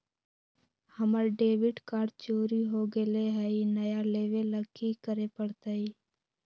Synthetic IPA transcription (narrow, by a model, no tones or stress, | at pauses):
həməɾɖeːʋɪɖkaːɖt͡ʃoːɾiːɦoːɡeleːɦɛiːnəjaːleːʋeləɡkiːkəɾeːpəɽt̪aiː